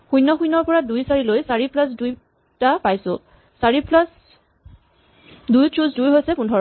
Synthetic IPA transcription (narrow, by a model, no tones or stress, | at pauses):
xujnɔxujnɔɹpɔɹadujsaɹilojsaɹiplasduj | tapajsʊ̰̃ | saɹiplas | dujtuzdujɦojsɛpundʱɔɹɔ